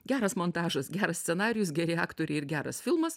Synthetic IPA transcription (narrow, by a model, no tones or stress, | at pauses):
ɡʲæːɾɐsmont̪ɑːʒɐsɡʲæːɾɐsʲsʲɛnɑːɾʲɪjʊsɡʲæɾʲɪɑːkt̪oːɾʲɛɪɪɾɡʲæːɾɐsfʲɪlˠmɐs